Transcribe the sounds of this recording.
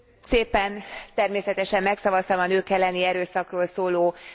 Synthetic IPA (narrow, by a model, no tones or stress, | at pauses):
seːpɛnt̪ɛrmeːsɛt̪ɛʃɛmːɛksɒvɒst̪ɒmɒnøːkɛlːɛniɛɾøːsɒkroːlsoːloː